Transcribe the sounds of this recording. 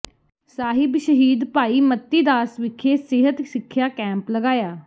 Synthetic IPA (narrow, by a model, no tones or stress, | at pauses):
saːɦɪbʃəɦiːd̪paːiːmət̪ːiːd̪aːsʋɪkʰːeːsɪɦət̪sɪkʰːjaːkɛ̃ːmpləɡaːjaː